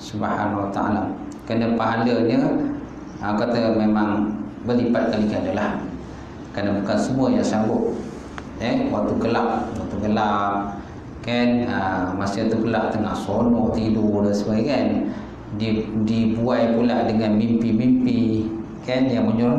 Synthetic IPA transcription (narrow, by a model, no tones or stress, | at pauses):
subahanawat̪a̰a̰la | kanəpaɦaləɲə | əkat̪əmemaŋbəlipat̪̚kalikanəlah | kanəbukansəmuəjaŋsaŋɡʊt̪̚ | ɛwak̚t̪uɡəlaʔwak̚t̪uɡəlap̚ | kanəmasət̪uɡəlaʔt̪əŋahsonɔʔt̪idudansəbaɡikan | didibuajpulaʔdəŋanmimpimimpi | kanjaŋməɲuɾn